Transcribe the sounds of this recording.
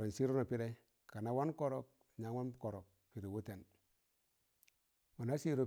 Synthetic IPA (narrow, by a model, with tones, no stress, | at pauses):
ɾo˨n˨si˦ɾo˦no˨pi˦ɾe˦ | ka˨na˨˦wa˦nko˦ɾo˨k̚ɲa˨ŋwa˦n˦ko˨ɾo˨k̚ | pi˨ɾe˨wo˦te˨n | mo˨na˦si˦ɾo˨